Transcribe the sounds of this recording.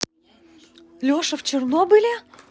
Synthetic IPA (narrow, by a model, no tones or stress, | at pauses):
lʲoʂɨft͡ɕɪrnobɨlʲɪ